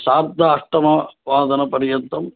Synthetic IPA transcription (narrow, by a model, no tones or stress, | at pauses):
saːɾtd̪ʱɐːʂʈ̪ɐmɐʋaːd̪ɐnɐpɐɾjɐnt̪ːɐm